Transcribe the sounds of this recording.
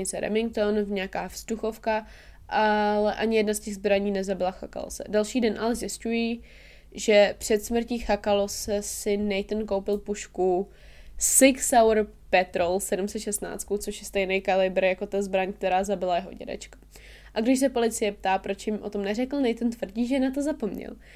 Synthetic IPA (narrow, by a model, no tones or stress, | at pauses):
ɪt͡sɛɾɛ̰mɪŋk̚t̪onvɲɛakaːfst̪uxo̞fka | ʔalɛʔaɲɪjɛdnascɛɣzbɾaɲiːnɛzabɪlaxa̰ka̰lo̰sɛ̰dalʃiːdɛnʔalɛzjɪscuji | ʒɛpr̝̥ɛt̪smr̩ciːxakalosɛsɪnɛjt̪nko̞wpɪlpuʃku | sɪksawɾ | pɛt̪ɾolsɛdumsɛt̪ʃɛst̪na̰ːt͡st̪kut͡soʃjɛst̪ɛjnɛjkalɪbɾjako̞t̪azbɾaɲk̚t̪ɛɾaːzabɪlajɛɦo̞̰ɟɛ̰dɛ̰t͡ʃkḁ | ʔaɡdɪʃs̬ɛpo̞lɪt͡sɪjɛp̚t̪aːpɾot͡ʃjɪmʔo̞̰t̪o̞mnɛrɛkl̩nɛjt̪nt̪vr̩ɟiːʒɛnat̪̬o̞zapo̞mɲɛ̰l